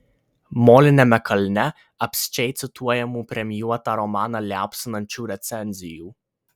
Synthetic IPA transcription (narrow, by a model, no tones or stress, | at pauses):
moːlʲɪnʲɛmʲɛkʰɐlʲnʲɛ | ɐpʲsʲɪ̥t͡ʃʲɛɪt̪sʲɪt̪ʰuɔjɛmuːpʲɾʲɛmʲjuɔt̪ɑːɾɔmɑːnɑlʲæːpʲsʲɪnɐnʲt͡ʃʲuːɾʲɛt̪sʲɛnʲzʲɪjuː